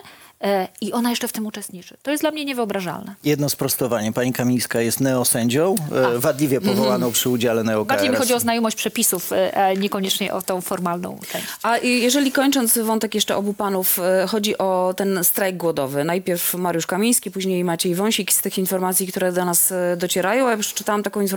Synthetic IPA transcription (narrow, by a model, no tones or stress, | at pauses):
iɔnajɛʂt͡ʂɛft̪ɘmut͡ʂɛst̪ɲit͡ʂɘ̥t̪ɔjɛsd̪lamɲɛɲɛvɨɔbɾaʐa̰lnɛjɛd̪nɔspɾɔst̪ɔvaɲɛpaɲikamʲij̃skajɛst̪nɛɔsɛɲd͡ʑɔ̃w̃vad̪lʲivʲjɛpɔvɔwanɔ̃w̃pʂɘud͡ʑalɛnɛɔkbaɲejmixɔiɔznajɔmɔɕt͡ɕʲpʂɛpʲisufʔaɲɛkɔɲɛt͡ʂɲɛʔɔ̰t̪ɔ̃w̃fɔɾmalnɔ̰̃w̃t͡ʂɛ̰̃ɕʔajɛʐɛlʲikɔɲt͡ʂɔnt̪svɔnt̪ɛkjɛʂt͡ʂɛʔɔbupanufxɔd͡ʑiʔɔt̪ɛnst̪ɾajɡ̚ɡwɔd̪ɔvɘnajpʲjɛɾfmaɾjuʂkamʲij̃skʲipuʑɲejmat͡ɕɛjvɔw̃ɕikst̪ɘxinfɔɾmat̪sʲjik̚t̪uɾɛd̪ɔnasd̪ɔt͡ɕɛɾajɔ̃w̃aɛpʂɛ̥t͡ʂɨt̪awamt̪akɔ̃infɔ